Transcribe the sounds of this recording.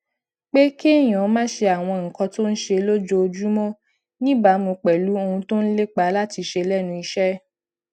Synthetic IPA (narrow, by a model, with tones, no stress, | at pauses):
k͡pe˦ki˦e˦˨j̃ɔ̃˨ɔ˨˦mãː˦ʃe˧a˨w̃ɔ̃˧ŋ̩˨kɔ̃˧to˦n̩˦ʃe˧lo˦d͡ʒo˦o˧d͡ʒu˦mɔ̃˦ | nĩ˦ba˨˦mõ˧k͡pɛ˨lu˨˦o˧hũ˧to˦n̩˦le˦k͡pa˨˦la˦ti˧ʃe˧lɛ˦˨nũ˧i˧ʃɛ˦